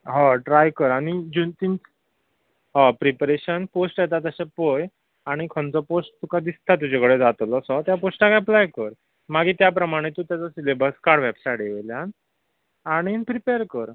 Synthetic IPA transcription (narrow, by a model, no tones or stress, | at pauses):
ɦɔ̃ʈɾajkəɾaɽ̃id͡ʑunt̪int͡s | pɾipɾeɕənposʈjet̪̬at̪əɕepoj | aɽ̃ikʰənt͡sɔposʈ̚t̪ukʰad̪ist̪ʰat̪ud͡ʑekəɽed͡zat̪lɔsɔt̪japosʈakaəplajkəɾ | maɡiːt̪jap̬ɾəmaɽ̃et̪ut̪jat͡sɔsilebəɾskaɽʋɛbsajɽeeljan | aɽ̃ipɾipeɾkəɾ